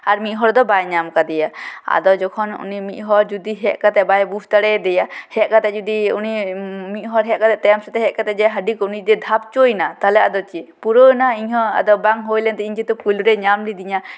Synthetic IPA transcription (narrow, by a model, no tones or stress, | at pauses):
aɾmiʔ̪ɦɔɾd̪ɔbajɲamkad̪ɛjaa̰d̪ɔd͡ʒɔkʰɔnṵnimiʔ̪ˀɦɔɾd͡ʒud̪iɦɛʔkat̪ɛbajbust̪aɽɛd̪ɛjahɛʔ̪̚kat̪ɛd͡ʒud̪iunimiʔ̪̚ɦɔɾɦɛʔkat̪ɛʔt̪ɛamsɛt̪ɛɦɛʔkat̪ɛʔd͡ʒɛɦəɖikɔnid͡ʒ̪ɛd̪ʱap̚t͡ʃojnat̪alɛad̪ɔt͡ʃipuɾənaiɲɦɔ̃a̰d̪ɔbaŋɦojlɛnt̪ɛiɲd͡ʒit̪upulɾɛɲamlid̪iɲa